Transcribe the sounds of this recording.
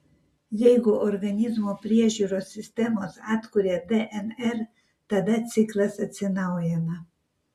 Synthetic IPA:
jɛɪɡʊʔɔɾɡɐnʲɪzmoːpʲɾʲiɛʒʲuːɾoːsʲːɪsʲt̪ʲɛmoːsɑːt̪kʊɾʲed̪ɛʔɛnɛɾ | t̪ɐd̪ɐt̪sʲɪklˠɐsɐt̪ʲsʲɪnɐʊjɛnɐ

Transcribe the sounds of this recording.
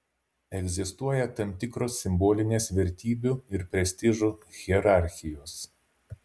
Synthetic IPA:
ɛɡʲzʲɪst̪uɔjɛt̪ɐmt̪ʲɪkɾoːsʲːɪmboːlʲɪnʲeːsʋʲɛɾʲt̪ʲiːbʲuɪɾpʲɾʲɛsʲt̪ʲɪʒuɣʲɛɾɑˑɾʲxʲɪjoːs

